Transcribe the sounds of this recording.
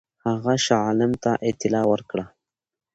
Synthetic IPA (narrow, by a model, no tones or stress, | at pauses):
haɣaʃɑlɪmt̪aʔɪt̪ɪlɑwəɾkɽa